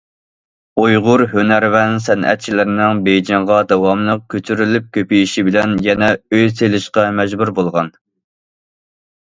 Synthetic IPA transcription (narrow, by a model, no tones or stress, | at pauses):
ojʁʊɾhønæɾvɛnsɛnʔɛ̰t̪̚t͡ʃʰilɪɾɪnɪŋbejd͡ʒɑɴʁɑd̪ɛwɑmlˠəq̚kʲʰøt͡ʃ̪ʰyɾylyp̚kʲøpijiʃibɪlɛnjɛnɛøjselɪʃqɑmɛd͡ʒbuɾbolˠʁɑn